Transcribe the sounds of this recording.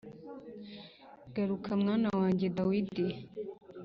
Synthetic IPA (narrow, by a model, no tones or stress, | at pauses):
ɡ̥ɐɾukʰamŋanawaːɲɟed̪awid̪i